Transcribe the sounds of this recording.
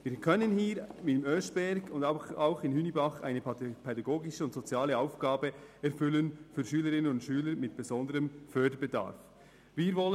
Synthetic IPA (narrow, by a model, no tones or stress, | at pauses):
viːɾkʰœnənhiːɾmɪmœsb̥ɛɾɡʊndaʊxɪnhynibɑχa̰ɪnəpʰɛdɑɡoːɡɪʃəʊntsot͡sjaːləaʊfɡ̥aːbəɛɾfʏlənfyːɾʃyːləɾɪnənʊntʃyːləɾmɪt̚b̥ɛzɔndəɾəmfœɐdəɾbəda̰ːɾf | viːɾvɔlə